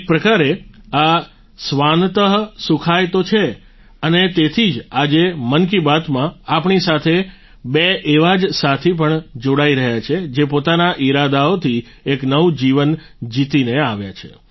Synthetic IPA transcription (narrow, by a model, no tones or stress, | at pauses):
k̚pɾəkaɾea | sʋant̪əɦsukʰajt̪ot͡ʃʰe | ənet̪et̪ʰid͡ʒad͡ʒemənkibat̪mãapɳisat̪ʰe | beʔeʋad͡ʒsat̪ʰip̬əɳd͡ʒoɽaiɾəɦjat͡ʃʰed͡ʒepot̪anaʔiɾad̪aot̪ʰi | eknəʋd͡ʒiʋən | d͡ʒit̪ineaʋja̰t͡ʃʰḛ